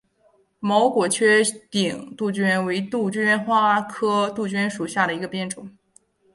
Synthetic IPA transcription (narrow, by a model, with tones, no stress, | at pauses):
mo˧˥ʊkwɔ˨˩t͡ɕʰɥɛ˥t̪i˨˩ŋt̪u˥˩t͡ɕy˥nwe˧˥ɪt̪u˥˩t͡ɕy˥nxwa˥kʰɤ˥t̪u˥˩t͡ɕy˥nʂu˨˩ɕja˥˩ɾə˩i˧˥ɡə˧pjɛ˥˧˩nʈ͡ʂʊ˨˩˦ŋ